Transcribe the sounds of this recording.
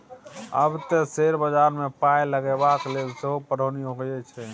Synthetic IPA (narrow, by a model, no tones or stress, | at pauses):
ə̰bt̪eseɾbəd͡ʒaɾmepajləɡɛbaklelseɦopəɽ̤əwniɦoɡjɛt͡ʃʰɛ